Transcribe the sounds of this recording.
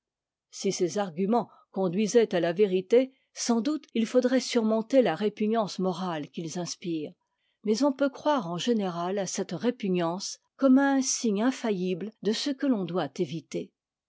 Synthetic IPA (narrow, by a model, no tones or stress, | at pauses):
sisezaʁɡʲymɑ̃ | kɔ̃d̪ɥizɛt̪alaveʁit̪e | sɑ̃d̪ut̪ilfod̪ʁɛsyʁmɔ̃t̪elaʁepyɲɑ̃smɔʁalkʲilzɛ̃spiːʁ | mɛzɔ̃pøkχwaʁɑ̃ʒeneʁalasɛt̪ʁepyɲɑ̃s | kɔmsiɲɛ̃fajibld̪əsəkəlɔ̃d̪wat̪evit̪e